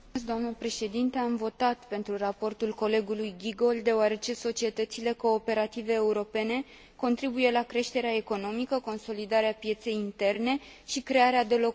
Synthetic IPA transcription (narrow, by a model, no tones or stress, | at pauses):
s̬d̪oamnəpɾe̞ʃe̞d̪int̪e̞amvo̞t̪at̪pe̞nt̪ɾurapo̞rt̪ulko̞le̞ɡulujɡʲiɡo̞ld̪d̪e̞oaɾe̞t͡ʃe̞so̞t͡ʃie̞t̪ət̪sile̞ko̞ːpe̞ɾat̪ive̞ːuɾo̞pe̞ne̞ | ko̞nt̪ɾibuje̞lakɾe̞ʃt̪e̞ɾeae̞ko̞no̞mikəko̞nso̞lid̪aɾeapje̞t̪se̞jint̪e̞rne̞ | ʃikɾe̞aɾead̪e̞lo̞